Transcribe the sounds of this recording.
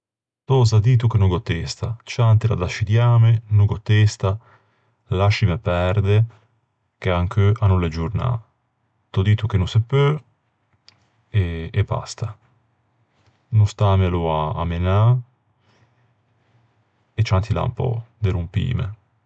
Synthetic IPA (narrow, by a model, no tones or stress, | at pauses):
t̪ɔzad̪iːt̪ukenuɡot̪ːest̪at͡ʃant̪ila̰d̪aʃid̪jaːmenuɡot̪ːest̪a | laʃimepɛɾd̪e | keaŋkʰøʔanuled͡ʒuɾna̰ | t̪ɔd̪iːt̪ukenusepːø | eːba̰st̪a | nust̪aːmelua̰ːmena | et͡ʃːant̪ila̰mpɔ̰d̪eɾumpḭːmḛ